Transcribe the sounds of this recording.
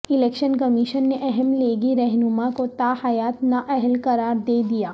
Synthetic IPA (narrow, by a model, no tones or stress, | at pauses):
ɪleːkʃənkɐmiʃənːeʔɛɦɛmleːɡiɾɛɦnʊmakot̪aːhajaːt̪naʔɛɦəlkɐɾaːɾd̪eːd̪ijaː